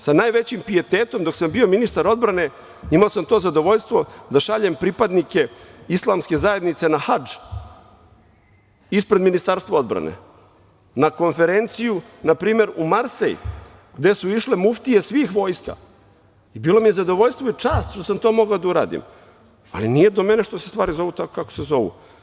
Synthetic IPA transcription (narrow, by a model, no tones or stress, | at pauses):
sanaːjʋe̞t͡ɕimpie̞t̪eːt̪o̞md̪o̞ksambio̞minist̪aɾo̞d̪bɾane̞ | imaosamt̪o̞ːzad̪o̞ʋo̞ʎst̪ʋo̞d̪aʃaʎempɾipad̪nike̞islˠaːmske̞zaje̞d̪nit̪se̞naxad͡ʒ | ispɾe̞d̪minist̪aɾst̪voo̞d̪bɾa̰nḛ | nako̞nfe̞ɾe̞nt̪sijunapɾiːme̞ɾumaɾsḛjḭ | ɡd̪e̞suiʃle̞muft̪ije̞sʋiːxʋo̞ːjska̰ | ibiːlˠo̞mijezad̪o̞ʋo̞ʎst̪vʋoit͡ʂaːst̪ʃt̪osamt̪o̞ːmo̞ɡaod̪auɾa̰ːd̪ḭm | a̰linije̞d̪omeneʃt̪o̞sest̪ʋaːɾizo̞ʋuːt̪akokako̥sezo̞ʋṵ